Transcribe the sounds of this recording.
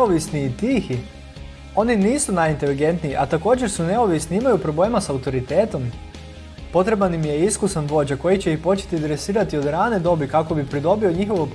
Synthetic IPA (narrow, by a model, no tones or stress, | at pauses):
oʋisniːt̪iːxi | o̞niniːsunajint̪e̞liɡe̞nt̪nijiʔat̪ako̞ːd͡ʑe̞ɾsune̞o̞ʋisniimajupɾo̞ble̞ːmasaut̪o̞ɾit̪e̞ːt̪o̞m | po̞t̪ɾe̞banimije̞iskusanʋo̞d͡ʑako̞jit͡ɕe̞ixpo̞t͡ɕe̥t̪id̪ɾesiːɾat̪io̞d̪ɾaːne̞d̪o̞bikako̞bipɾid̪o̞bio̞ɲixo̞ʋop